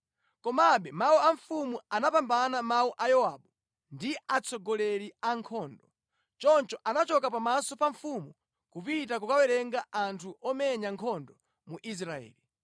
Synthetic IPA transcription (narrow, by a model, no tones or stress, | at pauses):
kɔmaɓɛmauaɱfumuanapambanamauʔajɔwaɓu | ndiat͡sʰɔɡɔlɛɾiaŋkʰɔːndɔ | t͡ʃɔnt͡ʃɔʔanat͡ʃɔkapamasɔpaɱfumu | kupit̬akukawɛɾɛŋɡaʔantʰuʔɔmɛɲaŋkʰɔndɔ | muʔis̬ɾaɛ̰ːli